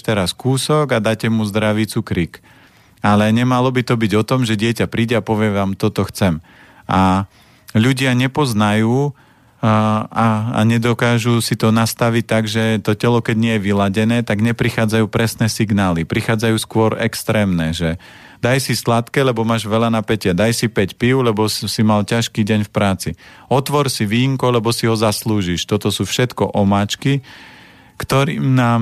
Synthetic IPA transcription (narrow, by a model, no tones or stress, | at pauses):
t̪ɛɾaskuːsɔɡad̪aːcɛmuzd̪ɾaʋit͡sukɾik | alɛɲɛmalɔbit̪ɔbiɟɔt̪ɔmʒɛɟɪɛcapɾiːɟɛapɔʋɪɛʋaːmt̪ɔt̪ɔxt͡sɛm | ʔa | ʎuɟɪaɲɛpɔznajuː | aa̰ɲɛd̪ɔkaːʒusit̪ɔnast̪aʋic̚t̪aɡʒɛt̪ɔcɛlɔkɛɟɲɪɛjɛʋilaɟɛnɛːt̪aɡɲɛpɾixaːd͡zajuːpɾɛsnɛsiɡnaːlipɾixaːd͡zajuːskʊɔɾɛkst̪ɾɛːmnɛʒɛ | d̪ajsislat̪kɛlɛbɔmaːʒʋɛʎanapɛcɪad̪ajsipɛcpiʊlɛbɔssimalcaʃkiːɟɛɲfpɾaːt͡siɔt̪ʋɔɾsiʋiːŋkɔlɛbɔsiɦɔzasluːʒiʃt̪ɔt̪ɔsuːfʃɛt̪kɔ̰ʔɔmaːt͡ʃki | kt̪ɔɾiːmnaːm